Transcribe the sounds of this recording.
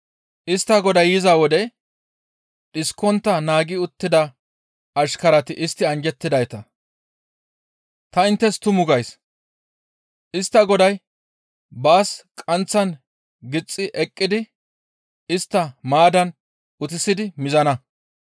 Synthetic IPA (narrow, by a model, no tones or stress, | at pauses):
ʔɪst̪ːɐɡɔd̪ɐjjɪzawɔd̪ɛ | ᶑɪskːɔnt̪ːɐnaːɡɪʊt̪ːɪd̪ɐ | ɐʃkɐɾɐt̪ɪʔɪst̪ːɪɐnd͡ʒɛt̪ːɪd̪ɐjt̪ɐ | t̪ɐɪnt̪ːɛst̪ʊmʊɡɐjs | ʔɪst̪ːɐɡɔd̪ɐj | baːskʼɐnt͡sːɐn | ɡɪt͡sʼːɪʔɛkʼːɪd̪ɪ | ɪst̪ːɐmaːd̪ɐn | ʊt̪ɪsɪd̪ɪmɪzɐnɐ